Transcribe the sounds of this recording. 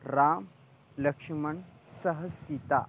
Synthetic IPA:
ɾaːm | ləkʂiməɳsɐɦəsit̪a̰

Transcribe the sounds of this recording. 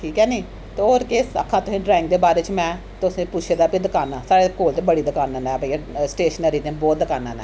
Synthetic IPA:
ʈʰiːkɛːniː | t̪eoːɾkeːsə̰kʰːãːt̪ʊsĩːɖɾɛːɪŋkd̪eːbaːɾeːt͡ʃmɛ̃ː | t̪ʊsẽːpʊt͡ʃʰeːd̪aːpid̪əkaːnãːsaːɽeːkoːlt̪eːbəɽiːd̪əkaːnãːnɛːbəiaːsʈeːʃnəɾiːt̪ẽːbɔːt̪̚d̪əkaːnãːnɛ̰̃ː

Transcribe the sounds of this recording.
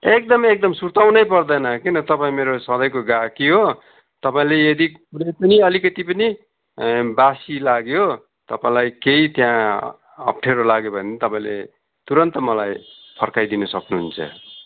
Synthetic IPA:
ek̚d̪ʌmek̚d̪ʌmsurt̪awnʌjpʌrd̪ʌjnʌkinʌt̪ʌpaĩmeɾosʌ̃d̪ʌjkoɡakiɦo | t̪ʌpaĩlejʌd̪ikuɾʌjpʌniʌlikʌt̪ipʌni | basilaɡjo | t̪ʌpaĩlajkeit̪jã | ʌ̰p̚ʈʰeɾolaɡjobʱʌnt̪ʌpaĩlḛ | t̪uɾʌnt̪ʌmʌlaj | pʰʌrkajd̪inʌsʌknuɦunt͡sʰʌ̰

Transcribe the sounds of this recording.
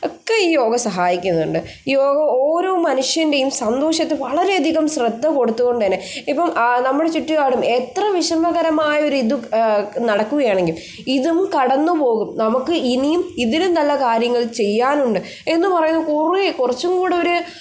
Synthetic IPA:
o̞kːeiːjo̞ːɡɐsɐɦaːjikʲːunːɐðṵɳɖɨ | joːɡɐoːɾo̞ːmɐnuʂjɐnde̞jumsɐnd̪o̞ːʂjɐt̪ːeʋɐɭɐɾe̞ɐd̪ʱiɣɐmɕrɐd̪ʱːɐko̞ɽut̪ːuɣo̞ɳɖɨðinːeipːɐmnɐmːuɽe̞t͡ɕiʈːiɣaːɽumet̪rɐʋiʂɐmɐɣɐɾɐmaːjɐo̞ɾuiðunɐɽɐkːuɣɐjaːɳe̞ŋɡil | iðumkɐɽɐnːupo̞ːɣumnɐmukːɨinijumiðilunɐlːɐkaːɾjɐŋːɐɭt͡ɕe̞jːaːnuɳɖɨ | e̞nːɨpɐrɐjunːɐkurikurɐt͡ɕːumkuːɽeoɾu

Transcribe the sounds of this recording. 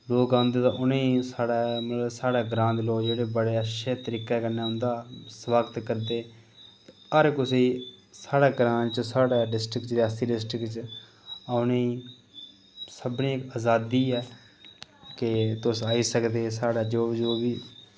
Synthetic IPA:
loːkãːʊnd̪eːt̪ãːʔʊnẽisaːɽaːmət̪ləbsaːɽaːɡɾãːnd̪loːkd͡ʒeːɽeːbəɽeːəʃeːt̪əɾiːkɛːkənaːʊnd̪aːsʋaːɡət̪kəɾd̪eː | t̪ | əɾkʊseːisaːɽaːɡɾãːnt͡ʃsaːɽaːɖɪsʈɾɪkt͡ʃɾaːst̪iːɖɪsʈɾɪkt͡ʃ | aʊnẽ | səbnĩːkaːzaːd̪iːɛː | kɪt̪ʊsaːiːsəkd̪eːsaːɽaːd͡ʒod͡ʒoːʋiː

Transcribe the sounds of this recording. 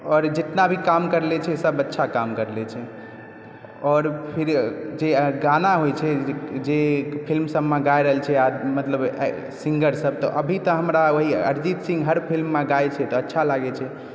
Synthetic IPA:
ɔːɾd͡ʒet̪nabʱikamkəɾlɛt͡ʃʰɛsəbətːʃʰakamkəɾlɛt͡ʃʰɛ | ɔːɾpʰiɾd͡ʒeɡanaɦojt͡ʃʰɛd͡ʒepʰilmsəbːeɡajɾəɦəlt͡ʃʰɛamət̪ləb | sĩŋɡəɾsəb̚t̪ɔʔəbʱit̪ɔɦəmɾaoɦiə̰ɾd͡ʒit̪sĩŋɡɦəɾpʰilmːẽɡajt͡ʃʰɛt̪ɔətːʃʰalaɡɛt͡ʃʰɛ

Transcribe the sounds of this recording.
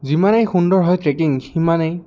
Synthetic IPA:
zimanejxundɔɹɦɔjtɹekiŋximanɛj

